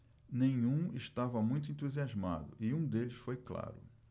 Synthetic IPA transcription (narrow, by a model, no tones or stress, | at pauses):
nẽɲ̃ũɪʃt̪avɐmũj̃t̪ʊẽnt̪uziazma̰d̪ʊ̰ʔɪũd̪elɪsfojkla̰ɾʊ